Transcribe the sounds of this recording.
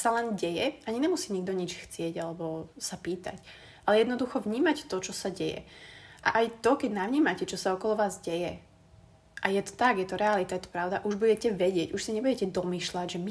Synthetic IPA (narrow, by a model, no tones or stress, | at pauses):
salɛnɟɛjɛaɲiɲɛmusiːɲiɡ̚d̪ɔɲit͡ʃxt͡sɪɛɟalɛbɔsapiːt̪a̰c | ʔalɛjɛd̪nɔd̪uxɔʋɲiːmact̪ɔt͡ʃɔsaɟɛjɛ̰ʔa̰ʔajt̪ɔkɛɟnaʋɲiːmacɛt͡ʃɔsaɔkɔlɔʋaːzɟɛjɛ | ʔajɛt̪ɔ̥t̪aɡjɛt̪ɔɾɛalit̪ajɛt̪ɔ̥pɾaʊd̪aʔuʒbuɟɛcɛʋɛɟɪɛɟuʃsiɲɛbuɟɛcɛd̪ɔmiːʃlaɟʒɛmi